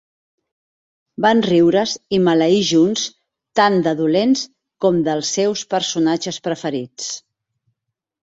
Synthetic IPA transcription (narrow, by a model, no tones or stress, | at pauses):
banriwɾəzimələiʒuns | t̪and̪əðulens | kɔmd̪əlˠsːɛwspəɾsunad͡ʒəspɾəfəɾit͡s